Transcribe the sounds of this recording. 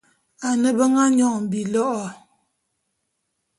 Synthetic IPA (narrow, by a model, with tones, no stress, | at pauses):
a˨nə˦bə˦ŋa˦ɲɔ˦˨ŋ˨m̩˨bi˨lɔ˦ʔɔ˨